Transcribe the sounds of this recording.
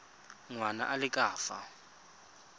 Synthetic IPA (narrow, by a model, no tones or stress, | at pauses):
ŋwana̰ʔalɪkʼaːfa̰